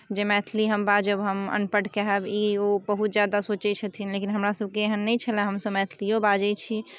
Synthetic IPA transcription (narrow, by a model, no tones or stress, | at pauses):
d͡ʒemɛt̪ʰliɦəmbad͡ʒəbɦəmə̰npəʈkeɦɛbiobəɦut̪̚d͡ʒjad̪asot͡ʃɛt͡ʃʰət̪ʰinlekinɦəmɾasəb̚keeɦənːɛt͡ʃʰəlɛ̃ɦəmsəbmɛt̪ʰlijõbad͡ʒɛt͡ʃʰi